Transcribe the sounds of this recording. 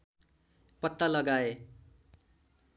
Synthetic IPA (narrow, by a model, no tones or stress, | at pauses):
pʌt̪ːalʌɡae